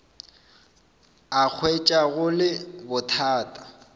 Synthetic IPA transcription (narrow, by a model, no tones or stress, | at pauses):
ak͡xʰwet͡ʃʼaɣʊlɪbʊtʰaːtʼḁ